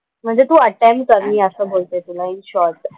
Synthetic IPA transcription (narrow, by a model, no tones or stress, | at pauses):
m̤əɳd͡zet̪ũːəʈɛmʈ̚kəɾmiːəsəːbolt̪et̪unainɕɔɾʈ